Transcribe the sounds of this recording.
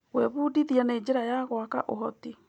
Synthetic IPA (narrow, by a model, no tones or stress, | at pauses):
ɣwɛβuːdiðjaneːd͡ʑeɾajaɣwaka̰ʔoɦɔti